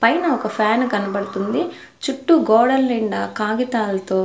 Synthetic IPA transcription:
pɐjnɐɔkɐpʰaːnkɐnɐbɐɽut̪und̪i | t͡ʃuʈːuɡɔːɽɐlniɳɖɐkaːɡit̪aːlɐt̪oː

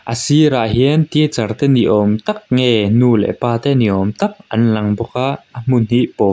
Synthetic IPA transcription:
ʔəsiɾaʔɦiənt̪iɛt͡sɐrt̪ɛniʔɔmt̪ɐk̚ŋɛnulɛ̰paːt̪ɛniʔɔmt̪ɐk̚ʔɐnlɐŋbɔkaʔəm̥unɦiʔpɔ

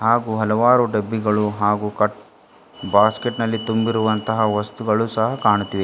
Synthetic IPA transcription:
ɦaːɡuːɦɐlɐʋaːɾuɖebːiɡɐɭuɦaːɡuːkɐʈ | baːskeʈnɐlːit̪umbiɾuʋɐnt̪ɐɦɐʋɐst̪uɡɐɭusɐɦɐkaːɳut̪ːiʋe

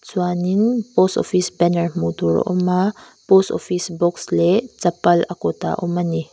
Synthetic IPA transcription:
swaniŋpostɔ̰fisbɛnəɹmut̪uɾɔ̰ʔɔma | postɔfisbɔkslɛt͡sɐpɐlɐkɔt̪a̰ʔɔmani

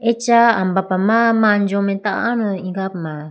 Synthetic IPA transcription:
et͡ʃaambapamamaɲd͡ʒomɛ̃t̪aʔanoiɡap̚ma

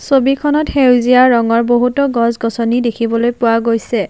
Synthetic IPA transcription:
sobikʰɔnɔthewziaːɔŋɔɹboɦutɔɡɔzɡɔsɔnidekʰibɔlojpʊwaɡojsɛ

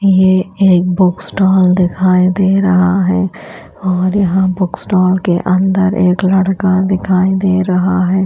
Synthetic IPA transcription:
jeeːk̚bʊksʈɔːld̪ɪkʰaːid̪eːɾɐɦaɦɛː | ɔːɾjɐɦãbʊksʈɔːlkeʔɐ̃nd̪əɾʔeːklɐɽkad̪ɪkʰaːid̪eːɾɐɦaɦɛː

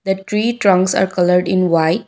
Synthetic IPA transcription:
d̪əʈɾiːʈɾʌ̃ŋksa̰ːɾkʌləɾɖɪ̃nʋaɪʈ

